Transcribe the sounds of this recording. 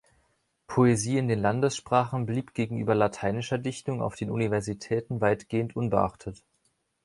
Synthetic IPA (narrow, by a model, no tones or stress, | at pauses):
pʰoeziːɪndeːnlandəsʃpʁ̥aːχn̩bliːpɡ̥eːɡŋ̩ʔyːbɐlatʰaɪnɪʃɐdɪçtʊŋa̰ʊfd̥eːnunivɛɐzitʰɛːtn̩vaɪtɡ̥eːəntʔʊnbəʔa̰χtʰət